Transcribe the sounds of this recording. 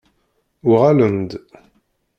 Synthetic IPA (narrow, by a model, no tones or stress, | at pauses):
ʊʁaləmd̪